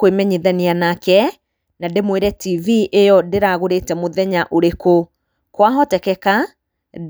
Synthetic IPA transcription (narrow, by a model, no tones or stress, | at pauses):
kwemɛɲiðanianakɛ | nademweɾɛtiviʔejɔdeɾaɣoɾetɛmoðɛɲaʔoɾeko | kwaɦɔtɛkɛka